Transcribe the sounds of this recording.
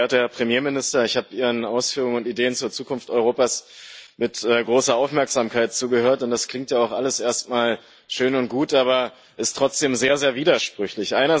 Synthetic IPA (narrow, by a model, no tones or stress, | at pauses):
ɐthːɐpʁ̥emjeːmɪnɪstɐɪçhaːbəʔiːʁənaʊsfyːʁ̞ʊŋənʊntideːənt͡suːɐt͡suːkʊnftɔʏʁoːpaːsmɪtʔɛːɡʁoːsɐaʊfmɛɐkz̥aːmkʰaɪt̚t͡suːɡəhøːɐtʊntd̥askl̥ɪŋktjaːaʊxʔaləsʔeːɐstmaːl | ʃøːnʊnt̚ɡ̥uːtʔaːβɐ | ʔɪstʁ̥ɔt͡sd̥eːmzeːɐzeːɐviːdɐʃpʁ̥ʏçlɪçʔaɪnɐ